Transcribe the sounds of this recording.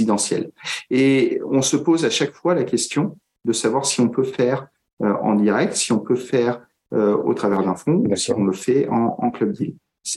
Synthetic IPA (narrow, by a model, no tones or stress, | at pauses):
id̪ɑ̃sjɛ̰leɔ̃səpozaʃakfwalakʲɛst̪jɔ̃ | d̪əsavwaʁsiɔ̃pøfɛʁ | øɑ̰̃d̪iʁɛk̚t̪siɔ̃pøfɛʁ | øo̰t̪χavɛʁd̪ɛ̃fɔ̃usiɔ̃ləfɛɑ̃ɑ̰̃klœb̚d̪il | s